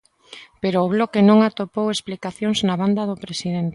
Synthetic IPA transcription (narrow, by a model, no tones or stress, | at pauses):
peɾoːβlokenõŋat̪opowesplikaθjoŋznaβand̪aðopɾesiðent̪